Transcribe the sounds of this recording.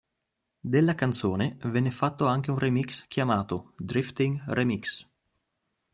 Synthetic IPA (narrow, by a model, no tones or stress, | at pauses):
d̪elːakant̪soːnevɛnːefat̪ːoaŋk̟eunremikskjamaːt̪od̪ɾift̪iŋremiks